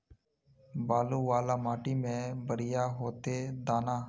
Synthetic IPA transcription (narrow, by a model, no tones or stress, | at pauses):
baːluːʋaːlaːmaːʈiːmẽːbəɾɪjaːɦoːt̪eːd̪aːnaː